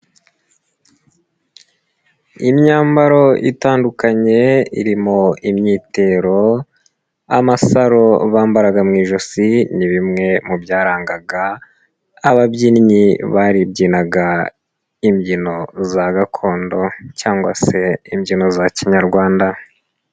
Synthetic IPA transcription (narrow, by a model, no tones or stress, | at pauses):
imɲaːmbaɾo̞ḭtaːndukaɲe̞ḭɾimoimɲiːte̞ɾo̞ | a̰masaɾo̞βaːmbaɾaɡamŋiːʒosiniβimŋe̞mubjaːɾaːŋɡaɡaː | βabɟiːniɲiβaːɾibɟiːnaɡa | imɟino̞zaɡakʰo̞ːndo̞caːŋɡwase̞imɟino̞zaciɲaɾɡwaːnda